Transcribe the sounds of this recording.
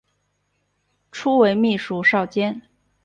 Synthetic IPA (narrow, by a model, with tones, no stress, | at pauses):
ʈ͡ʂʰu˥we˧˥ɪmi˥˩ʂu˧˥ʂɑ˥˩ʊt͡ɕjɛ˥n